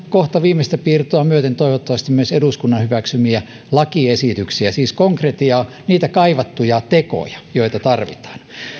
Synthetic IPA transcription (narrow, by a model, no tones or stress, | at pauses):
koht̪ɑʋiːmest̪æpiːrt̪oɑmyøt̪ent̪oiʋot̪ːɑʋɑst̪imyøseduskunːɑnhyʋæksymiæ | lɑkiesit̪yksiæsiːskoŋkret̪iɑ | niːt̪ækɑiʋɑt̪ːujɑt̪eko̰jɑ̥joit̪ɑt̪ɑrʋḭt̪ɑ̥ːn